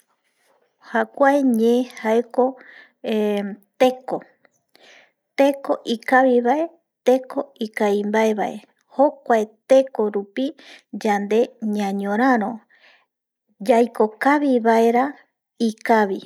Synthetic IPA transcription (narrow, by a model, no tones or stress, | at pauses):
hakʷaeɲẽhaeko | et̪e̞ko̞ | t̪e̞ko̞ʔikaβiβae̞ | t̪e̞ko̞ikaimbae̞βaʔe̞̰ | ho̞kʷaet̪e̞ko̞ɾupid͡ʒand̪e̞ɲãɲõɾãɾõ̞ | d͡ʒajko̞kaβiβae̞ɾa | ikaβi